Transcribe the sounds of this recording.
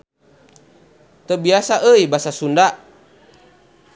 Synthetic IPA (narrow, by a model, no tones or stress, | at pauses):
t̪əbiasaʔəibasasundaʔ